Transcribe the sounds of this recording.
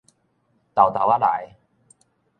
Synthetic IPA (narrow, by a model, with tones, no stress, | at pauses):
t̪a˨˩wt̪a˨˩wa˦˥la̰˨˦j